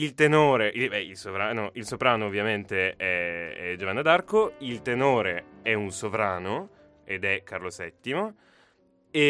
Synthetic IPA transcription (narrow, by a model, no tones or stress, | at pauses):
ilt̪enoːɾeʔilbɛilsovɾaːnɔʔilsopɾaːnoːvːjament̪eɛɛ̰d͡ʒovanːad̪arkoilt̪enoːɾeɛunsovɾaːno | ed̪ɛkːarlosɛt̪ːimo | e